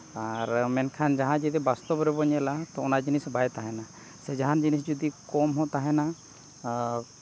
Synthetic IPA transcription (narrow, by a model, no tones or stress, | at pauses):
aɾmɛnkʰand͡ʒaɦãd͡ʒɛt̪̬ɛbast̪ɔbɾɛbɔɲɛlat̪ɔɔnad͡ʒinisbajt̪aɦɛna | sɛd͡ʒaɦand͡ʒinis̬d͡ʒɔd̪ikɔmɦɔ̃t̪aɦɛna